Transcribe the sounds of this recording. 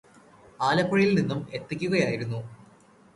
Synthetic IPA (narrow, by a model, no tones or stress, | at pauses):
aːlɐpːɐɻijilninːume̞t̪ːikʲːuɣɐjaːjiɾunːu